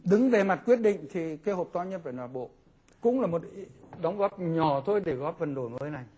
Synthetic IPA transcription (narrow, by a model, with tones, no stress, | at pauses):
ɗɨ˨˦ŋve˨˩ma˨˩t̚kwi˦˥ət̚ɗḭ˧˨ŋ̟t̪ʰi˨˩ke˧˦ho˨˩p̚t̪ɔ˧˥ɲə˦˥t̚vaː˧˩nwaː˧˩ɓo̰˧˨ | kʊ̰˧˥ŋ͡mlaː˨˩mo˨˩t̚i˧˦ɗa˨˦wŋ͡mɣɔ˦˥p̚ɲɔ˧˩t̪ʰo˧jɗe˧˩ɣɔː˦˥p̚və˨˩nɗo˧˩jŋəː˨˦jna˨˩j